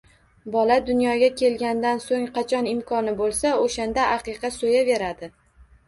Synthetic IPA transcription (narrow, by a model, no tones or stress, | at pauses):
bɒlad̪ʊnjɒɡʲakʲʰe̞lɡʲand̪ansoŋqʰɑt͡ʃʰɒnɪmkʰɒnɪbolˠsaoʃand̪aʔːqɨqʰɑsojave̞ɾad̪ɪ